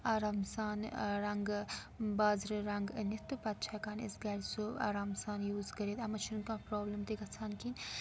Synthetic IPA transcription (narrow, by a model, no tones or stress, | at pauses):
aːɾaːmsaːnɾɐŋɡ | baːzɾɨɾɐŋɡnit̪ːupɐt̪t͡ʃʰaːkaːnḭsɡɐlsoa̰ːɾaːmsaːnjuːzkɐɾeːt̪ɐmɐt͡ʃʰunnkãːpɾoːbləmt̪eɡɐt͡sʰaːnkin